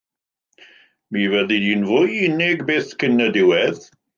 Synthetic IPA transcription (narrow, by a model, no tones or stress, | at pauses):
miːvɛðidiːnvʊjɪnɪɡbeːθkʰɪnədɪwɛð